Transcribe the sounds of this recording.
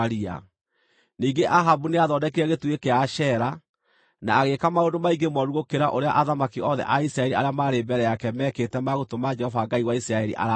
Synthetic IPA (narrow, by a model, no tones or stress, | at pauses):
ɾia̰ | niːɡeʔaɦabuneaðɔːdɛkeɾɛɣetuekeaʃɛɾa | naːɣekamaoːndomaiɡemɔɾuɣokeɾaʔoɾea̰ʔaðamakiɔðɛ̰ʔaisɾaɛɾiaɾeamaːɾebɛɾɛjakɛmɛːketɛmaɣotomad͡ʒɛhɔvaɡaiwaisɾaɛɾḭʔa̰ɾa